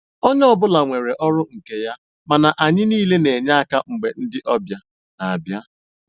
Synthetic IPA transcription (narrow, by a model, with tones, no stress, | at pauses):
o˦ɲ˦ɔ˦bʊ˦la˨ŋʷe˨ɾe˨ʔɔ˦ɾʊ˦ŋ̩˨ke˨ja˦ | ma˨na˨ʔa˨ɲɪ˦niː˦le˦ne˨ɲa˦a˦ka˦ŋ͡m̩˨ɡ͡be˨n̩˦dɪ˦ʔɔ˦bja˦ | na˨a˨bja˦